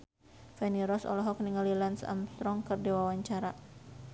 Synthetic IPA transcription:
fɛniɾɔsɔ̰lɔɦɔk̚niŋalilansa̰mst̪ɾɔŋkɨrdiwawaɲt͡ʃaɾa

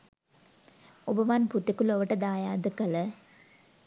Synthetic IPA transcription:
ɔbɐʋaːnput̪ːikːulɔʋɐʈːɐd̪aːjaːd̪ɯkɐlɐ

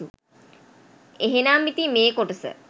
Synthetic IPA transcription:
u | eɦenaːmːit̪imeːkoʈəsə̰

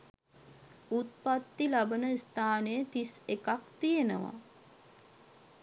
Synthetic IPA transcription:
ut̪̚pat̪ːilabənəist̪aːnəjət̪isekakt̪ijenəʋa̰

